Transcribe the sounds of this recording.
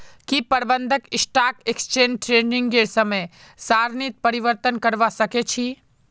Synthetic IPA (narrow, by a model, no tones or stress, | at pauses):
kipɐɾbənd̪ʱəkɪsʈaːkekst͡ʃeːnʈɾeːɳɖɪ̃ŋɡɡeɾsɐməj | saːɾnit̪̚pɐɾiʋəɾt̪ənkɐɾʋasɐket͡ʃʰi